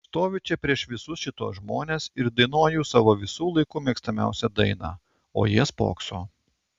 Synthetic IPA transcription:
st̪oːʋʲɪt͡ʃʲɛpʲɾʲiɛʃʋʲɪsʊsʃʲɪt̪uɔːsʒmoːnʲeːsɪɾd̪ɐɪnoːjuːsɑːʋoːʋʲɪsuːlˠɐɪkʊːmʲiɛkst̪ɐmʲæ̰ˑʊsʲɛd̪ɐɪnɑ̰ː | o̰ːjiɛspo̰ːksoː

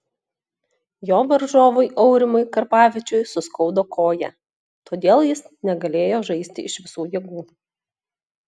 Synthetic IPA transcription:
joːʋɐɾʒoːʋʊjʔɔʊɾʲɪmʊɪkɐɾpɑːʋʲɪt͡ʃʲʊjsʊskɒʊd̪oːkʰoːjɛ̰ | t̪oːd̪ʲeːlˠjɪsnʲɛɡɐlʲeːjoːʒɐɪsʲt̪ʲɪɪʃʋʲɪsuːjeːɡuː

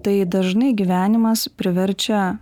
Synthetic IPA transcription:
t̪ɐɪd̪ɐʒnɐɪɡʲiʋʲæːnʲɪmɐspʲɾʲɪʋʲɛɾʲt͡ʃʲɛ

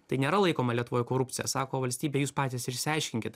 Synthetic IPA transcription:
t̪ɐɪnʲeːɾɐlˠɐɪkoːmɐlʲiɛt̪ʊʋoːjʊkoːɾʊp̪ʲsʲɪjɛ̰sɑːkoːʋɐlʲsʲt̪ʲiːbʲeːjuːspɑːt̪ʲiːsɪɾʲsʲɪɑɪʃʲkʲɪŋʲkʲɪt̪

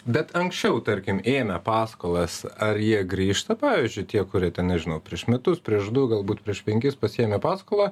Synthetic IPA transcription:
bʲɛt̪ɐŋksʲt͡ʃʲɛʊt̪ɐɾʲkʲɪmeːmʲɛpɑːskoːlˠɐsɐɾjiɛɡɾʲiːʃt̪ɐpɑːʋʲiːzʲd͡ʒʲʊɪt̪ʲiɛkʊɾʲiɛt̪ʲɛnɐɪʒʲɪnɐʊpʲɾʲiɛʃmʲɛt̪ʊspʲɾʲiɛʃd̪ʊɡɐlˠbuːt̪pʲɾʲiɛʃpʲɛŋʲkʲɪspɐsʲeːmʲɛpɑːskoːlˠɑː

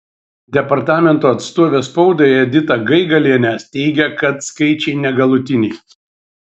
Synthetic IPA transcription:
d̪ʲɛpɐɾt̪ɑːmʲɛnt̪oːɐt̪st̪oːʋʲeːspɒʊd̪oːjɛd̪ʲɪt̪ɐɡɐɪɡɐlʲiɛnʲæst̪ʲɛɪɡʲɛkɐt̪skɐɪt͡ʃʲɛɪnʲɛɡɐlˠʊt̪ʲɪnʲɛɪ

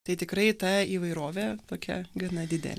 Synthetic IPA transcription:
t̪ɐɪt̪ʲɪkɾɐɪt̪ɐiːʋɐɪɾoːʋʲeːt̪oːkʲɛ̰ɡɐnɐd̪ʲɪd̪ʲɛ̰lʲ

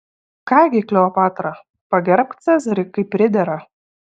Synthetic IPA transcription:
kɑːɡʲɪkʲlʲɛɔpɑːt̪ɾɐ | pɐɡʲɛɾʲp̚ʲt̪sʲɛzʲɐɾʲɪkɐɪpʲːɾʲɪd̪ʲɛɾɐ

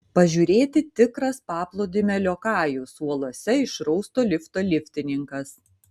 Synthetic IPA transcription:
pɐʒʲuːɾʲeːt̪ʲɪt̪ʲɪkɾɐspɑːplˠoːd̪ʲɪmʲɛlʲoːkɑːjusuɔlˠoɔsʲɛɪʃɾɒʊst̪oːlʲɪft̪oːlʲɪfʲt̪ʲɪnʲɪŋkɐs

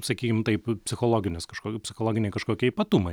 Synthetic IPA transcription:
sɐkʲiːkʲɪmt̪ɐɪppʲsʲɪxoːlˠoːɡʲɪnʲɪskɐʃkoːpʲsʲɪxoːlˠoːɡʲɪnʲɛɪkɐʃkoːkʲiɛipɐt̪umɐɪ

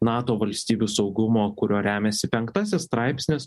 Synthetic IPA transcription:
nɑːt̪oːʋɐlʲsʲt̪ʲiːbʲuːsɒʊɡʊmoːkʊɾʲoːɾʲæːmʲɛsʲɪpʲɛŋkt̪ɑsʲɛsst̪ɾɑɪpʲsʲnʲɪs

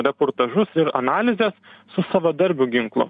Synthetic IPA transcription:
ɾʲɛpoːɾt̪ɐʒʊsɪɾɐ̰nɑːlʲɪzʲɛːssʊsɐʋɐd̪ɐɾʲbʲʊɡʲɪŋklˠʊ̰

